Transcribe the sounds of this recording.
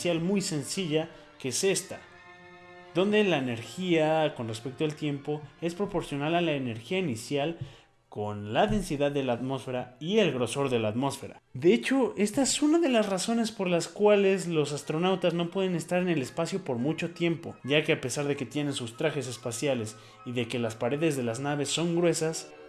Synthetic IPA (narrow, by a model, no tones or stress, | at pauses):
jalmujse̞nsiʝa | keese̞st̪a | ðo̞nd̪e̞laene̞ɾxiako̞nre̞spe̞k̚t̪oelt̪je̞mpo̞e̞spɾo̞po̞ɾsjo̞nalalaene̞ɾxiainisjal | ko̞nlaðe̞nsiðaððːe̞laːt̪mo̞sfe̞ɾaie̞lɣɾo̞so̞ɾðe̞laːt̪mo̞sfe̞ɾa̰ðe̞e̞t͡ʃo̞e̞st̪aesunaðe̞lasraso̞ne̞spo̞ɾlaskwale̞zlo̞sast̪ɾo̞nawt̪azno̞pwe̞ðe̞ne̞st̪aɾe̞ne̞le̞spasjo̞po̞ɾmut͡ʃo̞t̪je̞mpoʝake̞ape̞saɾðe̞ke̞t̪je̞ne̞nsust̪ɾaxe̞s̬e̞spasjale̞s | iðe̞ke̞laspaɾe̞ðe̞zðe̞laznaβ̞e̞sːo̞ŋɡɾwe̞sas